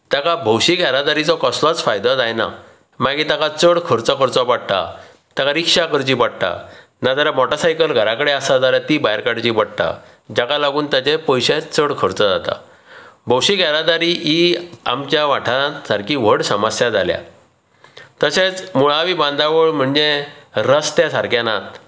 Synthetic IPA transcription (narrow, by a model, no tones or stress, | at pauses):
t̪akabʱəwɕiɡʱɛɾad̪aɾit͡sɔkəslat͡sfajd̪ad͡zajna̰ | maɡit̪akat͡səɽkʰəɾt͡sɔkəɾt͡sɔpaɽt̪a̰ | t̪akaɾikʂakəɾt͡ɕipəɽt̪a̰ | nad͡zaɾamɔʈəsajkəlɡʱəɾakəɽeasad͡zaɾat̪ibajɾkaɽt͡ɕiːpəɽ̚t̪a̰ | d͡ʑakalaɡuːnt̪jat͡ɕepəjɕet͡səɽkʰəɾt͡sad͡zat̪a̰ | bʱəwɕiɡaɾad̪aɾiːʔia̰mt͡ɕjaʋaʈʰasaɾkiʋ̤əɽsəməsjad͡zʱalja̰ | t̪əset͡smuɭaʋiːbãnd̪aʋəɭm̤əɳd͡zeɾəst̪jasaɾkjanat̪̚